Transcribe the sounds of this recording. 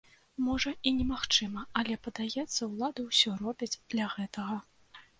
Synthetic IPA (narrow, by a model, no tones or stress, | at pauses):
mɔʐɐinʲɛmaxt͡ʂɨmɐɐlʲɛpɐd̪ajɛt̪sːɐwlˠad̪ɨwsʲɔrɔbʲid͡zʲd̪̥lʲɐɣɛt̪ɐɣɐ